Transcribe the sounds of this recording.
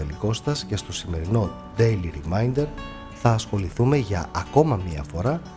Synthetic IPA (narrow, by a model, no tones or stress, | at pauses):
eliko̞st̪ɐsce̞st̪o̞sime̞ɾino̞ | d̪ejliɾimɐjnd̪e̞ɾ | θɐːsxo̞liθume̞ʝɐɐko̞mɐmiɐ̰fo̞ɾɐ